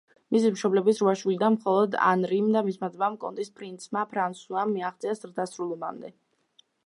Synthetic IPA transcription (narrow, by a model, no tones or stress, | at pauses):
mis̬imʃɔblɛbisɾuaʃwilid̪anmχɔlˠɔd̪a̰nɾimd̪amismad̪ɛbamkʼɔ̰nt̪ʼispʰɾint̪sʰmapʰɾant̪suamːiaχt̪zʼiazɾd̪asɾulˠɔma̰md̪ɛ